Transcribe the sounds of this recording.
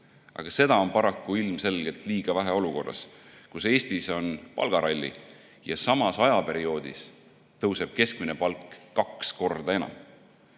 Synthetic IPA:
ʔɑ̰ɡ̥ɑse̞d̪̥ɑo̞npɑɾɑkːuilmse̞lɡ̥e̞lt̪liːɡ̥ɑvæɦeo̞luko̞rːɑ̰skuse̞ːst̪iso̞npɑ̰lɡ̥ɑɾɑlʲːḭ | jɑsɑmɑsɑjɑpe̞ɾio̞ːd̪̥is | t̪ɤwse̞b̥̚ke̞skminepɑlkːɑksko̞rd̪̥ɑe̞nɑ̰m

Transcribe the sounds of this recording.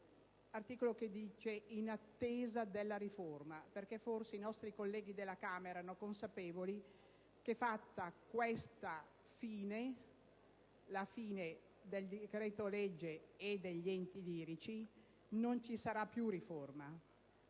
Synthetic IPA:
art̪iːkoloked̪iːt͡ʃeinat̪ːeːzad̪elːaɾiformaperkeforseinɔst̪ɾikolːɛːɡid̪elːakaːmeɛːɾaanokonsapeːvoli | kefat̪ːakwest̪a | fiːne | lafiːne | d̪eld̪ikɾɛːt̪olɛd͡ʒːeːd̪eʎːɛnt̪iliːɾit͡ʃi | nont͡ʃisaɾapːjuriforma

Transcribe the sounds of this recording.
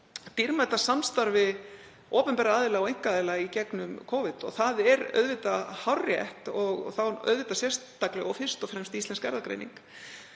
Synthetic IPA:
t̪iɾmaɛt̪ːasamst̪aɾvɪ | oːpʏmpɛːɾaaːðɪlaɔejŋ̥kaːðɪlaicɛknʏmkʰɔːvɪt̪ɔ̰ɣθaðɛɾœ̰ðvɪt̪ahawrjɛ̰ht̪ɔɣθawœ̰ðvɪt̪asjɛ̥st̪ːaklɛ̰ɣɔfɪr̥st̪ɔfɾɛmst̪ist̪lɛnskɛɾðakɾḛjnḭŋk

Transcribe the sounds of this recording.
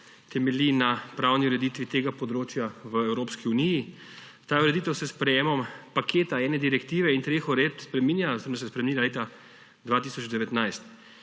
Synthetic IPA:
t̪ɛmɛlinapɾawniuɾɛd̪it̪ʋit̪eːɡapɔd̪ɾoːt͡ʃjaʋəɛwɾoːpskiuniji | t̪aːuɾɛd̪it̪əwsɛspɾɛjeːmɔmpakʰeːt̪aɛːnɛd̪iɾɛkt̪iːʋɛint̪ɾeːxɔɾet̪spɾɛmiːnjazeɾmd̪s̬ɛspɾɛmeninaleːt̪a | d̪ʋaːt̪isɔd͡ʒd̪ɛʋɛt̪najst̪

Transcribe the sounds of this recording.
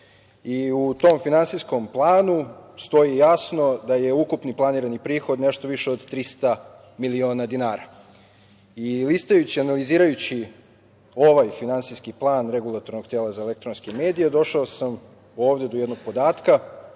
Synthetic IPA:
iut̪o̞mfinansisko̞mplˠaːnust̪o̞ijasno̞d̪ajeukupniplˠaniːɾanipɾiːxo̞d̪ne̞ʃt̪oʋiʃeod̪t̪ɾist̪a | milio̞ːnad̪inaːɾa | ilist̪ajut͡ɕianaliziːɾajut͡ɕi | o̞ʋajfinansiskiplˠaːnɾe̞ɡulˠat̪oɾnoɡt̪eːlˠazaelekt̪ɾonskeme̞ːd̪ijed̪o̞ʃaosam | o̞ːʋd̪e̞d̪ojed̪no̞ɡ̚po̞d̪aːt̪ka

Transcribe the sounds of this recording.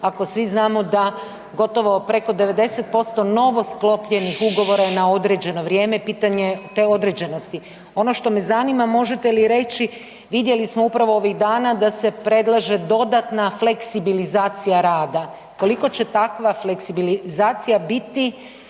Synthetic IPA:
ako̞sʋiznaːmo̞d̪a | ɡo̞t̪o̞ʋo̞pɾe̞ko̞d̪e̞ʋe̞d̪e̞set̪̚po̞st̪o̞no̞ʋo̞sklo̞pʎe̞nixuɡo̞ʋo̞ɾanao̞d̪ɾe̞d͡ʑe̞no̞ʋɾjeːmepiːt̪aɲet̪eo̞d̪ɾe̞d͡ʑeno̞st̪i | o̞no̞ʃt̪o̞me̞zanimamo̞ʒe̞t̪e̞liɾe̞t͡ɕi | ʋid̪je̞lismoupɾaʋo̞oʋiɣd̪aːnad̪ase̞pɾe̞d̪lˠaʒe̞d̪o̞d̪at̪nafle̞ksibilizaːt̪sijaɾaːd̪a | ko̞liko̞t͡ɕe̞t̪akʋafleksibilizaːt̪sijabit̪i

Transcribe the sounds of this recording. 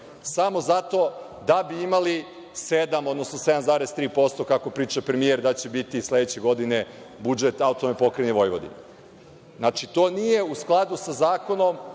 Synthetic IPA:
samo̞zat̪o̞ | d̪abiimali | sed̪amo̞d̪nosnose̞d̪amzaːɾest̪ɾiːpo̞st̪o̞kako̞pɾiːt͡ʃapɾe̞mieɾd̪at͡ɕe̞bit̪islˠe̞d̪et͡ɕe̞ɡo̞d̪ine̞ | bud͡ʒet̪aut̪omepo̞kɾeneʋo̞jʋo̰d̪ḭne | nat͡ʃit̪o̞ːnijeusklˠad̪usazaːko̞no̞m

